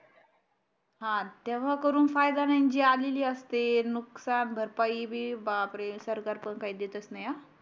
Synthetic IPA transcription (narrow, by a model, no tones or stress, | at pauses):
ɦãt̪eʋ̤akəɾuːnfajd̪anaɲd͡ʑiːaleliːəst̪enuksanbʱəɾpaibʱiːbapɾesəɾkaɾpəɳkaɦiːd̪et̪ət͡snaja